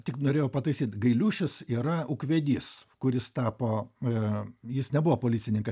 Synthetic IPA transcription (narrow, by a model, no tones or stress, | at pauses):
t̪ʲɪknoːɾʲeːjɛʊpɐt̪ɐɪsʲiːt̪ɡɐɪlʲuːʃʲɪsiːɾɐʊkʋʲeːd̪ʲiːskʊɾʲɪst̪ɑːpoː | jɪsnʲɛbuʋoːpoːlʲɪːsʲɪnʲɪŋkɐs